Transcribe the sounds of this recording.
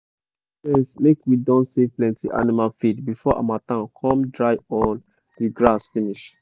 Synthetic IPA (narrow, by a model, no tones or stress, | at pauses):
ɛ̃slekwidɔ̃ntseplɛ̃ntiʔa̰nimalfidbifɔʔa̰matãnkʰɔ̃mdɹaɪɔ̃n | diɡɹasfiniʃ